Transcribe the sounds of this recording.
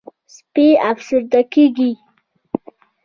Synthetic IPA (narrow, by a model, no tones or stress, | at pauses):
speafsʊɾd̪akeɡi